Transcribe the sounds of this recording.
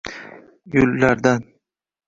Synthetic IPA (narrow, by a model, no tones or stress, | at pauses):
jʊlːaɾd̪an